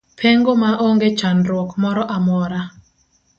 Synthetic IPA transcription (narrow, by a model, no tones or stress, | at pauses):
pʰeŋɡomaʔoŋɡet͡ʃanɾwɔkmɔɾɔʔamɔɾa